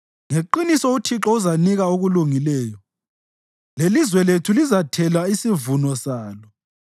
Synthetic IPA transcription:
ŋeǃinisɔutʰiǁɔuzaniɣaoɣuluŋilɛːjɔ | lelizwɛletʰulizatʰɛlaisivunɔsaːlɔ

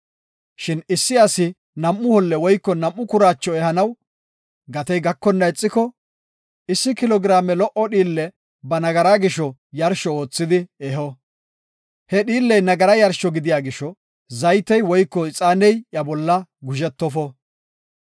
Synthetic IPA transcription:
ʃɪnɪsːɪɐsɪ | nɐmʔːʊhɔlːɛwɔjkːɔnɐmʔːʊkʊɾaːt͡ʃːɔɛhɐnɐw | ɡɐt̪ɛjɡɐkːɔnːɐɛt͡sʼːɪkɔ | ɪsːɪkɪlɔɡɪɾaːmɛlɔʔɔɗiːlːɛ | bɐnɐɡɐɾaɡɪʃɔjɐɾʃɔoːt͡sːɪd̪ɪɛɦɔ | hɛɗiːlːɛjnɐɡɐɾɐjɐɾʃɔɡɪd̪ɪjaːɡɪʃɔ | zɐjt̪ːɛjwɔjkːɔɪt͡sʼaːnɛjjɐbɔlːɐɡʊʒɛt̪ːɔfɔ

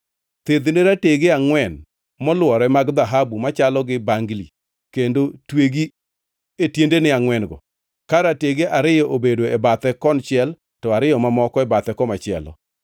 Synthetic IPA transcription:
t̪ed̪neɾateɡeaŋwɛn | mɔlwɔɾɛmaɡd̪aɦabumat͡ʃalɔɡɪbaŋɡli | kendotweɡi | etjendenɪaŋwɛnɡɔ | kaɾateɡeʔaɾɪjɔʔobedoebat̪ɛkɔnt͡ʃɪɛl | tɔaɾɪjɔmamɔkɔɛbat̪ɛkɔmat͡ʃɪɛ̰lɔ̰

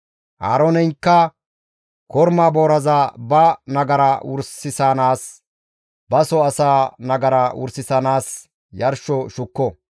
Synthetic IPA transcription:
ʔa̰ːɾɔnɛjŋkːɐ | kɔɾmaːboːɾɐzabɐnɐɡɐɾɐwʊ̰ɾsɪsanaːs | bɐsɔɐsaːnɐɡɐɾɐwʊ̰ɾsɪsɐnaːs | jɐɾʃɔʃʊkːɔ

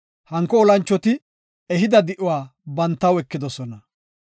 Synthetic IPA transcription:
hɐŋkːɔːlɐnt͡ʃːɔt̪ɪ | ɛɦɪd̪ɐd̪ɪʔʊwaːbɐnt̪ːɐwɛkːɪd̪ɔsɔnɐ

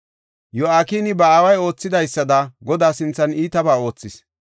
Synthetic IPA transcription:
jɔaːkiːnɪbɐaːwɐjo̞ːt͡sːɪd̪ɐjsːɐd̪ɐɡɔd̪aːsɪnt͡sːɐniːt̪ɐbaːo̞ːt͡sːɪs

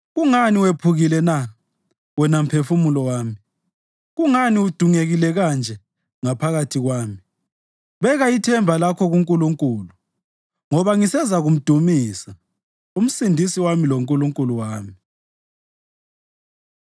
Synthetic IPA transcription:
ɣuŋaniwepʰuɣilɛna | wɛnam̩pʰefumulɔwaːmi | ɣuŋaniud̥ʱuŋeɣilɛɣand͡ʒʱɛ | ŋapʰaɣatʰiɣwaːmi | βɛɣaitʰɛmbʱalakʰɔɣuŋkʼuluŋkʼuːlu | ŋɔβaŋisɛzaɣum̩d̥ʱumiːsa | um̩sindʱisiwamiloŋkʼuluŋkʼuluwaːmi

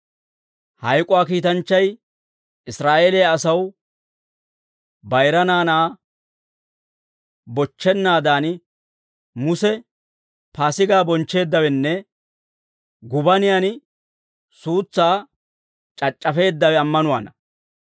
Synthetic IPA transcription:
hɐjkʼʊwaːkiːt̪ɐnt͡ʃːɐj | ɪsɾaːʔeːlɪjaːsɐw | bɐjɾɐnaːnaː | bɔt͡ʃːɛnːaːd̪aːn | mʊsɛ | paːsɪɡaːbɔnt͡ʃːe̞ːd̪ːɐwɛnːɛ | ɡʊbɐnɪjan | suːt͡sːaː | t͡ʃʼɐt͡ʃʼːɐfe̞ːd̪ːɐwɛɐmːɐnʊwa̰ːnɐ

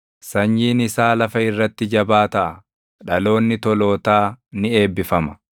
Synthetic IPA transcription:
sɐɲːiːnɪsaːlɐfɐɪrːɐt̪ːɪd͡ʒɐbaːt̪ɐʔɐ | ᶑɐlo̞ːnːɪt̪ɔlo̞ːt̪aːnɪe̞ːbːɪfɐmɐ̥

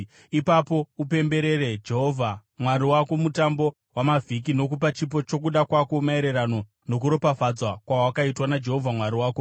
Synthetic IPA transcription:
ipapo̞up̬e̞mbe̞ɾe̞ɾe̞d͡ʒeɦovʱamwaɾiwako̞mutambo̞ | wʔamavʱik̬ino̞k̬upat͡ʃip̬o̞t͡ʃo̞k̬uɗakwakomae̞ɾeɾano̞ | no̞k̬uɾo̞pafad͡zwakwawakaitwanad͡ʒe̞ɦo̞vʱamwaɾiwaːko

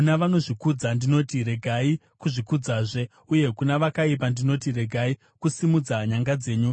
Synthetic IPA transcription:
unaʋano̞ʐikud͡zandino̞tiɾe̞ɡʱai | kuʐikud͡zaːʐe̞ | uje̞kunaʋakaip̬andino̞tiɾe̞ɡʱai | kusimud͡zaɲaŋɡad͡ze̞ːɲu

